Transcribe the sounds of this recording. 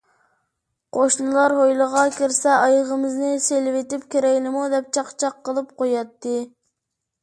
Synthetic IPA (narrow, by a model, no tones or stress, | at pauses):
qʰoʃnɨlˠɑɾɦojlˠəʁɑkʲʰiɾsɛʔɑjʁəmɪznɨselɪvet̪ɪpkʲeɾɛkʲlɪmud̪ɛp̚t͡ʃʰɑqt͡ʃʰɑqʰːəlˠɨpqʰojɑt̪ːɨ